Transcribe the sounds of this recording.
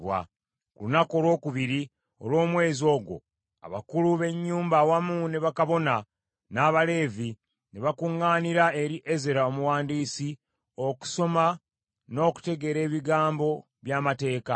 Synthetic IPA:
wa̰ | kṵlunako̞ːlwo̞ːkuβiɾi | o̞̰lwo̞ːmwe̞ːzo̞ːɡo̞̰ | a̰βa̰kuluβe̞ɲːuːmbawamune̞βakaβo̞na | naːβale̞ːvi | ne̞βakuŋːaːniɾae̞ɾiʔe̞ze̞ɾaomuwaːndiːsi | o̞ku̥so̞ma | no̞ːku̥te̞ɡe̞ɾe̞ːβiɡaːmbo̞ | βjaːmate̞ːka

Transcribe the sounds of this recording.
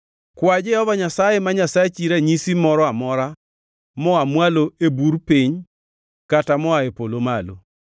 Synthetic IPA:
kwad͡ʒehɔvaɲasajemaɲasajet͡ʃiɾaɲisimɔɾɔamɔɾa | mɔamwaloebuɾpiɲ | katamɔaepolomalo̰

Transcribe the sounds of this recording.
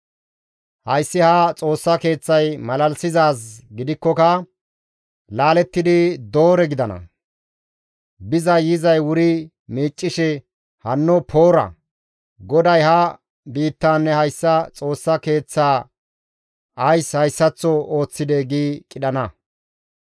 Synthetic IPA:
hɐjsːɪhɐt͡sʼo̞ːsːɐke̞ːt͡sːɐjmɐlɐlsɪzaːs̬ɡɪd̪ɪkːɔkɐ | laːlɛt̪ːɪd̪ɪd̪o̞ːɾɛɡɪd̪ɐnɐ̰ | bɪzɐjɪzɐjwʊɾɪ | miːt͡ʃʼːɪʃɛ | hɐnːɔpʰo̞ːɾɐ̰ | ɡɔd̪ɐjhɐ | biːt̪ːaːnːɛhɐjsːɐt͡sʼo̞ːsːɐke̞ːt͡sːaː | ɐjshɐjsːɐt͡sːɔo̞ːt͡sːɪd̪ɛɡiːkʼɪɗɐnɐ

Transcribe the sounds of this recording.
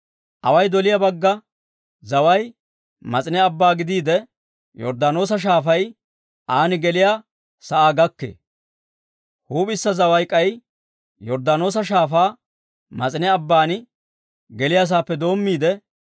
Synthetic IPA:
ʔɐ̰wɐjd̪ɔlɪjɐbɐɡːɐ | zɐwɐj | mɐt͡sʼɪnɛɐbːaːɡɪd̪iːd̪ɛ | jɔ̰ɾd̪ano̞ːs̬ɐʃ̬aːfɐj | ʔaːnɪɡɛlɪja | sɐʔaːɡɐkːḛː | huːpʼɪsːɐzɐwɐjkʼːɐj | jɔɾd̪ano̞ːs̬ɐʃ̬aːfaː | mɐt͡sʼɪnɛɐbːaːnɪ | ɡɛlɪjas̬aːpːɛd̪o̞ːmːiːd̪ɛ

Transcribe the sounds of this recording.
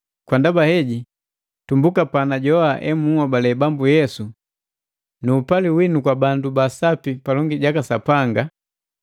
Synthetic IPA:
kwandabahɛɟi | tumbukapanaɟɔaʔɛmuɔbalɛbambujɛsu | nuːpaliwinukwabandubasapipalɔŋɡiɟakasapaŋɡa

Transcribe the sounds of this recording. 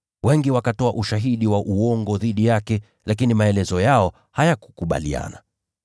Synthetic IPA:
wɛŋɡiwakatɔaʔuʃaɦiɗiwaʔuɔŋɡɔðiɗijakɛ | lakinimaɛlɛzɔjaɔ | hajaku̥kuɓa̰lia̰na̰

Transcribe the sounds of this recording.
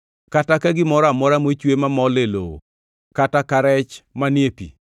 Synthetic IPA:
katakaɡɪmɔɾamɔɾamot͡ʃwemamɔlelo̰ | katakaɾɛt͡ʃmanjepḭ

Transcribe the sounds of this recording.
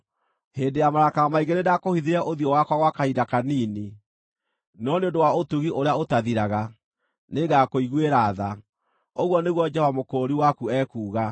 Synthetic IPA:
hendejamaɾakawamaiɣeɾedakohiðiɾɛʔoðiɔwakwaɣwakaidakaniːni | nɔneõndowaotuɣiʔoɾeaotaðiɾaɣa | neɡakoiɣweɾaða | oɣwɔneɣwɔd͡ʒɛɔvamokoɾiwakuɛkuːɣa

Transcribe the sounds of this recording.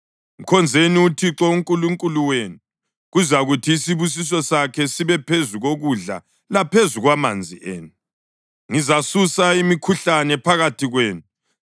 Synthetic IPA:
um̩kʰɔnd͡zʱeniutʰiǁɔuŋkʼuluŋkʼuluweːnu | ɣuzaɣutʰiːsiβus̬is̬ɔsakʰɛsiβɛpʰezuɣoɣuɮa̰ | lapʰezuɣwama̰nd͡zʱiʔeːnu | ŋizasusaimikʰuɬanɛpʰaɣatʰiɣweːnu

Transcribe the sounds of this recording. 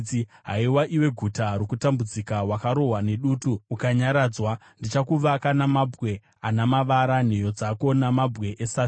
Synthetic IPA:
ɦaiwaʔiwe̞ɡʱutaɾokutambud͡zikawakaɾo̞ɦwane̞ɗuːtuːkaɲaɾaːd͡zwa | ndit͡ʃakuʋakanamabʱɣe̞ | anamaʋaɾan̤ejo̞d͡zako̞namabɣe̞ʔesa

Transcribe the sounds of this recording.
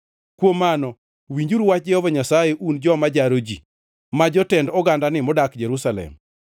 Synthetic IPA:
kwomːanɔ | wiɲd͡ʒuɾwat͡ʃ̚d͡ʒɛhɔvaɲasajeʔund͡ʒɔmad͡ʒaɾod͡ʒḭ | mad͡ʒɔtɛndɔɡandanɪmɔdakd͡ʒeɾusalɛ̰m

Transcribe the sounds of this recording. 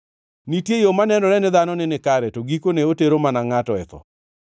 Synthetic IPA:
nitjejomanɛnɔɾɛnɪd̪anɔnɪnɪkaɾɛtoɡikoneoteɾomanaŋatɔɛt̪ɔ̰

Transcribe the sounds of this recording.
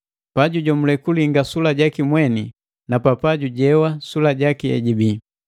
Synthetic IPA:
paɟuɟɔmulɛkuliŋɡasulaɟakimwɛni | napapaɟuɟɛwasulaɟakiɛ̰ɟibi

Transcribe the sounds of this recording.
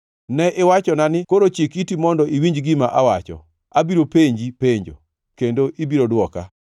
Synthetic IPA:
nɛʔɪwat͡ʃɔnanɪkoɾot͡ʃikitimɔndɔʔiwiɲd͡ʒɡɪmaʔawat͡ʃɔ̰ | abiɾopeɲd͡ʒipeɲd͡ʒo̰ | kendoʔibiɾodwɔka

